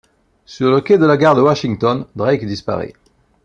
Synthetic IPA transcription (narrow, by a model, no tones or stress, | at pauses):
syʁləked̪əlaɡaʁd̪əwaʃiŋt̪ɔnd̪ʁɛkd̪ispa̰ʁɛ̰